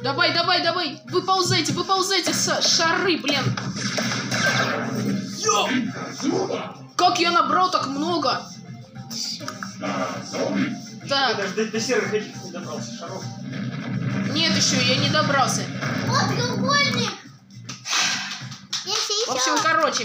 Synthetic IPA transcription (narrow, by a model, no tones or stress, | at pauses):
d̪ɐvajd̪ɐvajd̪ɐvaj | vɨpɐlˠzajtʲɪvɨpɐlˠzajtʲɪsaʂɐrɨblʲen | kakjanɐbɾalˠt̪akmno̞ɡə | d̪aad̪əd̪ɐsʲervʲɪnʲet͡ʃʲɪnʲɪd̪ɐbɾalˠsʲə̥ʂɐɾof | nʲet̪jɪɕːojanʲɪd̪ɐbɾɑlˠsʲəot̪ɡʲɨlˠɡolʲnʲɪk | jasʲvopɕːɪmkɐɾo̞t͡ɕɪ